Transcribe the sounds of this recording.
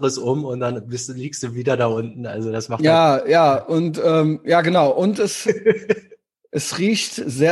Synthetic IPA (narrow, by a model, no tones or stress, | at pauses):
ʁəsʔʊmʊnt̚d̥anbɪstliːkstd̥uːviːdɐdaːʔʊntn̩a̰lzodasmaχjaːjaːʔʊntʔɛːmjaːɡənaʊʔʊntɛs | ʔɛsʁiːçtzeː